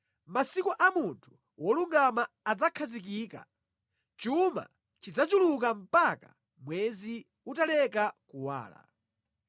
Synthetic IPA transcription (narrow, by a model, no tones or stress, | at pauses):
masikuʔamuntʰu̥ | wɔluŋɡamaːd͡zakʰazik̬iːka̰ | t͡ʃuma̰ | t͡ʃid͡zat͡ʃuluk̬am̩paka̰ | mwɛzi | utalɛkakuwa̰ːla̰